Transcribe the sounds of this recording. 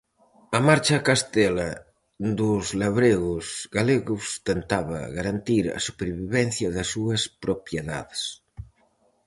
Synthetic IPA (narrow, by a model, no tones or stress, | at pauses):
ɐmaɾt͡ʃakast̪ɛla | d̪uzlaβɾeɣuzɣaleɣust̪ent̪aβa̰ɣaɾant̪iɾa̰supeɾβiβɛn̟θjɐðasuɐspɾopjeða̰ðs